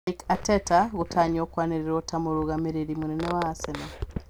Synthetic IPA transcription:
ikatetaɣutʰaːɲokwaniɾeɾotamoɾuɣameɾeɾimunenewaasena

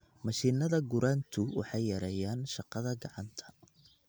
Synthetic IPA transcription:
mɑʃiːnɐðɐɡʊɾʔaːnt̪ʰʊwɑ̰ħɑjːɐɾɛjaːnʃɑqɑðɐɡɑʕɑnt̪ʰɐ̥

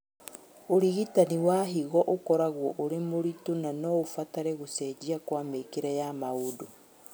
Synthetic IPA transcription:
oɾiɣitaniwaɦiɣɔʔokɔɾaɣwɔʔoɾemoɾitonanɔofataɾɛɣosɛd͡ʒiakwamekeɾɛjamaudo

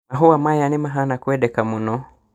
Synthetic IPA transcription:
naɦuwamajanimaɦanakuɛɗɛkamunɔ

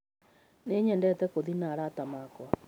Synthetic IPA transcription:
neɲɛndɛtɛkoðinaɾatamaːkwɔ

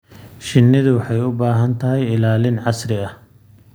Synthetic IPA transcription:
ʃɪnːɪðʊwɑħɑjʊbaːɦɐnt̪ʰɐɦɛjɪlaːlɪnʕɑsrɪɐh

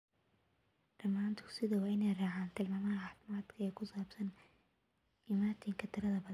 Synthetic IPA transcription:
ɖ̥ɐmaːnt̪ʰʊsɪðɐwɑːɪnɛjraːʕaːnt̪ʰɪlmaːmɐɦɐħaːfɪmaːd̪kʰɐɛːkʰʊsaːbsɐn | ʔɪmaːt̪ʰɪŋkʰɐt̪ʰɪɾɐðɐbɐð

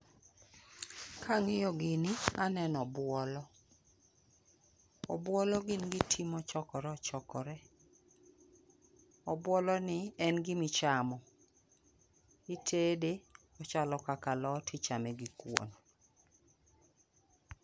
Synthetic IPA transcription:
kʰaŋɪjɔɡɪnianɛnɔbwɔlɔ | ɔbwɔlɔɡɪnɡɪtʰimɔt͡ʃɔkɔɾɛɔt͡ʃɔkɔɾɛ | ɔbwɔlɔnɪɛnɡɪmɪt͡ʃamɔ | itʰede | ɔt͡ʃalɔkakalɔtʰit͡ʃamɛɡikwo̰n

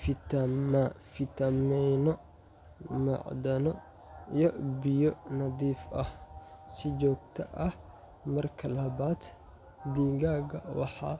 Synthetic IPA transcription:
fɪt̪ɐmɐfɪt̪ɐmɛjnɔ | mɐ̰ʕd̪ɐnɔ | jɔbɪjɔnɐd̪iːfʔɐhsɪd͡ʒɔːɡt̪ʰɐʔɐh | mɐrkʰɐlɐbaːd̪ | d̪iːɡaːɡɐwɑħɑ̰ː

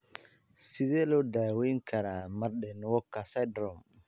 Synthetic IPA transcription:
siðɛlɔd̪aːwiŋkʰɐɾamɐɾɗɛnwɔkːasadɾɔm

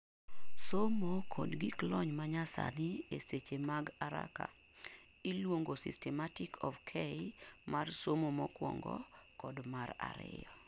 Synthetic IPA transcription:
somokʰɔ̰dɡiklɔɲmaɲasa̰nɪeset͡ʃemaɡaɾa̰ka̰ | ilwoŋɡosḭstɛmatɪkʰɔfkʰɛmarsomomɔkwɔ̰ŋɡɔ̰kɔdmara̰ɾɪ̰jɔ

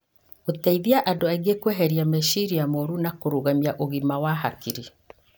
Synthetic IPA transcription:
otaiðiaʔadoaiɡekweɦɛɾiamɛʃiɾijamɔɾunakoɾuɣamiaʔoɣimawaɦakiɾi

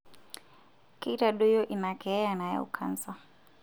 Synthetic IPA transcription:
kiɾaɗujɔʔinakɛɛanaja̰ṵkʰa̰nsa

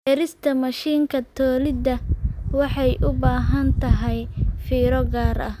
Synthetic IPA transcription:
ɛɾɪst̪ʰɐmɐʃiːŋkʰɐt̪ʰɔːlɪd̪ɐwɑħɑjʔʊbaːɦɐnt̪ʰɐɦɛjfiːɾɔɡaːɾɐ̰h

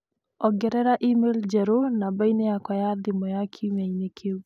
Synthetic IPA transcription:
ɔɡɛɾɛɾaʔimeld͡ʒɛɾonabainejakwajadɪmɔjakʰimainekʰeu

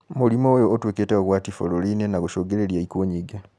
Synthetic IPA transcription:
mulimoːjoːtweːketeoɣwaːtifo̰lolinenaɡuʃoɡeleljaikuɲiɡa

